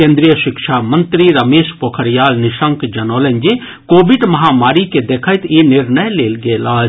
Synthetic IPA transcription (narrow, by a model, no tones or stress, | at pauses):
kẽːnd̪ɾijəʃɪkʃaːmə̃nt̪ɾiɾɐmeːʃpoːkʰəɾjaːlnɪʃəŋkd͡ʒɐnoːlə̃ɲd͡ʒe | koːbɪɖmɐɦaːmaːɾiked̪eːkʰəjt̪ʰjenɪɾnəjleːlɡeːlaː